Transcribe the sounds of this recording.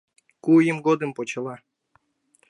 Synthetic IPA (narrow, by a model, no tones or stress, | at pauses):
kujəmɡod̪ɨmpot͡ɕɤ̆lˠɑ